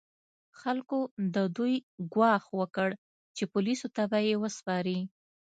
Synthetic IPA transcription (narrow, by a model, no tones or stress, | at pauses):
xalkod̪əd̪ujɡwɑxwəkəɽ | t͡ʃepʊlisot̪abajewəspɑɾi